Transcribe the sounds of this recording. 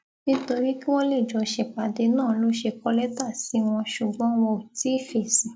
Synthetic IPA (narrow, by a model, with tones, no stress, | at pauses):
nĩ˦to˧ɾi˦ki˦w̃ɔ̃˦le˦˨d͡ʒɔ˨˧ʃe˧k͡pa˨de˧˦nãː˦˨˦lo˦ʃe˧kɔ˧lɛ˦ta˦˨si˨˦w̃ɔ̃˧ʃu˨ɡ͡bɔ̃˨˦w̃ɔ̃˧o˨ti˦˨fe˨si˨